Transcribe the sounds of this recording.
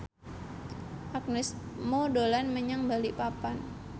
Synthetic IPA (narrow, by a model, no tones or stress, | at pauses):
ʔak̚nɛsmodolanməɲaŋbaliʔpapan